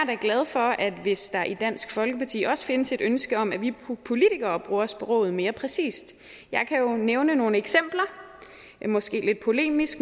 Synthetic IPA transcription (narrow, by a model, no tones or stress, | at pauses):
dæɡ̥lɛð̞ˠfɒ̽ʔæd̥ʋe̝sd̥ɑ̈ʔid̥æn̰sɡ̥fɒ̽lɡ̥əpʰɑ̈t͡sʰḭːɒ̽sə̥fe̝nəse̝d̥ønsɡ̥əɒ̽m̰æʋipʰo̝lit͡sʰiɡ̥ɐːb̥ʁuːɐɒspʰɒ̽ʁɔ̰̽ːð̩ˠme̝ːɐpʰʁɛsḭːsd̥ | jɑ̈ɪkʰæjo̝neʊnəno̝ːnəeɡ̥sem̰b̥lɐ | mɒ̽sɡ̥e̝̰ːle̝d̥̚pʰo̝le̝̰ːmisɡ̥